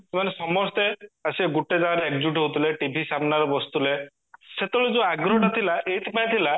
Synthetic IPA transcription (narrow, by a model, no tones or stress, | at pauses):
semanesɔmɔst̪easieɡuʈed͡ʒaɾeek̚d͡ʒuʈɦot̪ʰileʈibʱisamnaɾɔbɔst̪ule | set̪eɭud͡ʒũaɡɾɔɦɔʈat̪ʰilaʔeit̪ʰipaẽt̪ʰila